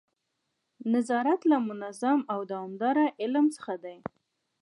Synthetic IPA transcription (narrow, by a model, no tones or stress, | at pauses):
nazɑɾat̪lamʊnazamawd̪ɑwɑmd̪ɑɾaʔɪlmt͡sə̥xad̪aj